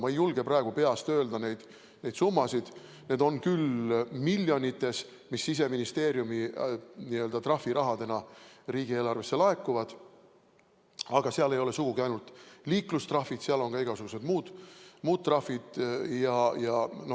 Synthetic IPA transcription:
mɑejulɡ̥e̞prɑe̞ɡ̥upe̞ɑst̪ø̞ːld̪̥ɑne̞jd̪̥ | ne̞jd̪sumːɑsid̪̥ | ne̞ːd̪o̞nkylmilʲːjo̞nʲit̪ːˑe̞s | misːis̬e̞minist̪e̞ːɾjuminiø̞ld̪ɑt̪rɑfːiɾʔɑɦɑd̪e̞nɑriːɡ̥ie̞ːlɑrve̞sːe̞lɑe̞kːˑuvɑd̪̥ | ɑɡ̥ɑseɑle̞jo̞lesuɡ̥uɡiɑjnult̪liːklust̪rɑfːid̪̥seɑlo̞nɡ̥ɑiɡ̥ɑsuɡ̥use̞d̪muːd̪̥muːt̪̚t̪ːˑrɑfid̪̥jɑjɑno

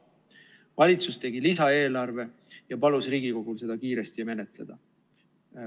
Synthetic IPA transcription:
vɑlʲit̪sust̪e̞ɡilisɑe̞ːlɑrve̞jɑpɑlusɾiːɡ̥iko̞ɡ̥ulse̞d̪ɑkiːɾe̞st̪ime̞ne̞t̪le̞d̪̥ɑ

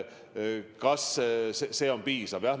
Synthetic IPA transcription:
kɑsseseːonpiːsɑvjɑh

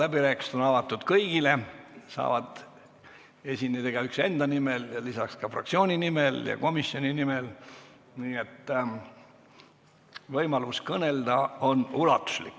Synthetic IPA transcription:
læbiɾæːki̥st̪onɑvɑt̪ːˑud̪̥kɤjɡ̥ile̞sɑ̰ːvɑd̪ | e̞sʲinːed̪̥eɡ̥ɑykse̞nd̪̥ɑnimeljɑlisɑkskɑfrɑ̰k̪̚sio̞ːnʲinimeljɑ̰ko̞misːio̞nʲinimel | niːet̪ː | vɤjmɑluskɤne̞ld̪ɑo̞nulɑ̰t̪ːˑu̥slikːˑ

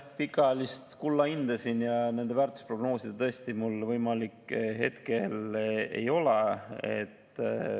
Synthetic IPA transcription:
pikˑɑlist̪kulːɑind̪̥ɑsinjɑne̞nd̪e̞væːrt̪ːˑu̥spro̞ɡno̞ːsid̪̥et̪ɤest̪imulvɤjmɑlikɦe̞̰t̪kele̞̰jo̞leḛt̪ː

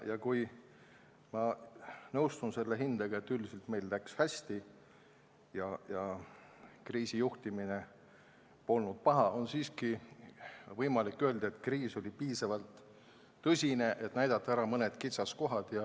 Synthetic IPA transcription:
jɑkuj | mɑnɤwst̪unse̞lːeɦind̪ɑɡ̥ɑet̪ːyld̪iselt̪me̞jlːækshæsʲt̪i | jɑjɑ | kriːsijuht̪imine̞ | po̞lnud̪̥̚pɑɦɑʔo̞nsiːski | vɤjmɑlikːø̞ld̪̥ɑet̪kriːso̞lʲipiːsɑvɑlt̪ː | ɤsʲine̞ʔe̞t̪næjd̪̥ɑt̪ːˑɑæɾɑmɤned̪̥kit̪sɑsko̞ɦɑd̪̥jɑ

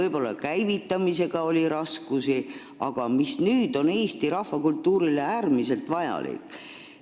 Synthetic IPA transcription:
ɤjbo̞lːɑkæjvit̪ːˑɑmise̞ɡ̥ɑo̞lʲiɾɑskusi | ɑɡ̥ɑmisnyːd̪̥o̞ne̞ːst̪iɾɑhvɑkult̪ːuːɾileæːrmise̞lt̪vɑjɑ̰lḭkːˑ

